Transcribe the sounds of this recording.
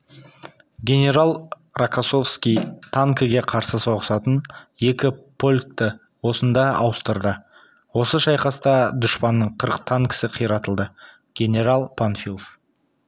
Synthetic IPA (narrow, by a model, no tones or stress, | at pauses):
ɡʲe̞ne̞ɾalˠ | rakaso̞fskʲijt̪ʰaŋkəɡʲe̞qʰɑɾsəso̞ʁəsɑt̪ənje̞kʲɪpʰo̞lʲk̚t̪ə | wo̞sənd̪ɑɑwəst̪əɾd̪ə | wo̞səʃɑjqɑst̪ɑd̪ʊʃpɑnːəɴqʰəɾəq̚t̪ʰaŋkʲɪ̥sɪqʰijɾɑt̪əlˠd̪ə | ɡ̥ʲe̞nʲe̞ɾalˠpʰanfʲilˠof